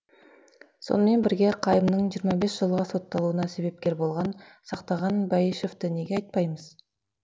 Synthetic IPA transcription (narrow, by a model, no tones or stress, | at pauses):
so̞̰nəme̞nbɪɾɡʲe̞qʰɑjəmnəɴʒijəɾmɑbe̞sʒ̥əlˠʁɑso̞t̪ːɑlˠuənɑse̞be̞p̚kʲe̞ɾbo̞lˠʁɑnsɑqt̪ɑʁɑnbɑjiʃoft̪əne̞ɡʲeɑjt̪̚pɑjməz̥